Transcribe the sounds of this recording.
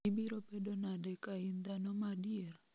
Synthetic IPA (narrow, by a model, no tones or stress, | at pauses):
ibiɾopedonadɛkaind̪anomadier